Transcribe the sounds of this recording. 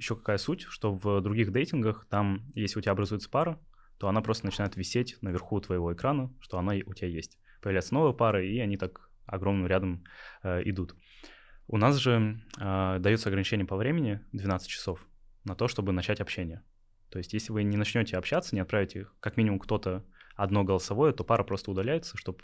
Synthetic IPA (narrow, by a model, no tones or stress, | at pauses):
jɪɕːo̞kɐ̥kajəsutʲʂt̪o̞vd̪ɾʊɡʲixd̪ejtʲɪnɡəxt̪amjesʲlʲɪʊtʲɪaɐbɾɐzujɪt̪sə̥paɾə | t̪o̞ɐn̪apɾo̞st̪ənt͡ɕɪnajɪt̪vʲɪsʲetʲnəvʲɪrxut̪vəjɪvo̞ɪkɾanəʂt̪o̞ɐnaʊtʲɪbʲajesʲtʲ | pəjɪvlʲæjɪt̪əno̞vəjəpaɾɨiɐnʲit̪ak | ɐ̰ɡɾo̞mnɨmɾʲad̪əmʔɪ̰d̪ut̪ | ʊnas̬ʐɨ | d̪ɐjot̪səɐɡɾənʲɪt͡ɕenʲɪjəpɐvɾʲemʲɪnʲɪd̪vʲɪnat̪sɨt̚ʲt͡ɕːɪ̥so̞f | nɐt̪o̞ʂt̪o̞bɨnɐt͡ɕætʲɐpɕːenʲɪjə | t̪o̞ɪsʲtʲjesʲlʲɪvɨnʲɪnɐt͡ɕnʲo̞tʲɪɐpɕːat̪sənʲɪɐt̪pɾavʲɪtʲɪkɐkmʲinʲɪmʊmkt̪o̞t̪əɐd̪noɡəlˠəsɐvo̞jət̪o̞paɾəpɾo̞st̪əʊd̪ɐlʲæjɪt̪səʂt̪o̞p